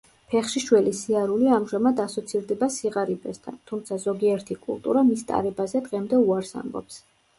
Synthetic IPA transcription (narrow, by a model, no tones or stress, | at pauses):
pʰɛχʃiʃwɛlisiaɾuliamʒamad̪asɔt̪sʰiɾd̪ɛbasiʁaɾibɛst̪ʰa̰nt̪ʰumt̪sʰazɔɡiɛɾt̪ʰikʼṵlˠt̪ʼṵɾamist̪ʼa̰ɾɛbazɛd̪ʁɛmd̪ɛuaɾsa̰mbɔ̰ps